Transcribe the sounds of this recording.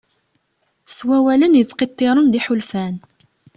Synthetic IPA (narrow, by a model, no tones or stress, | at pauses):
swæwælənjət͡sːqit̪ˤːeɾˤənd̪iħulfæn